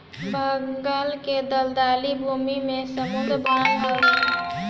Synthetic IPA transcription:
bʱəŋɡəlked̪əld̪alibʱumimesəmund̪ʱɾbənaɦəɾe

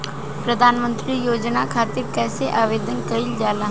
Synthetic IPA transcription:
pɾəd̪ʱaːnmə̃nt̪ɾijoːd͡ʒnaːkʰaːt̪ɪɾkɛːseʔaːʋeːd̪ənkəild͡ʒaːlaː

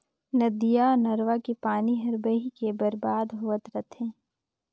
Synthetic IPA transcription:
nɐd̪ijanɐɾʋakipaːniɦɐɾbəɦikebɐɾbaːd̪ɦʊəd̪ɾɐt̪ʰẽː

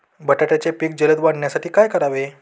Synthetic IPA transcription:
bəʈaʈjat͡ɕepiːk̚d͡ʑələd̪ʋaɽnjasaʈʰiːkajkəɾaʋe

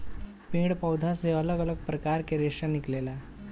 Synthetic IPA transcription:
pĩːɽpəwd̪ʱaseələɡələɡ̚pɾəkaɾkeɾeʂaniklela

